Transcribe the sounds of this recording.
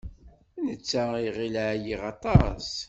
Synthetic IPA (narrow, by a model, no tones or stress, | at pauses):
nət͡sːaiʁilʕjiʁɑt̪ˤɑs